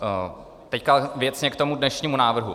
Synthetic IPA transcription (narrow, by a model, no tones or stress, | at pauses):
t̪ɛckavjɛt͡sɲɛkt̪o̞mudnɛʃɲiːmunaːvr̩ɦu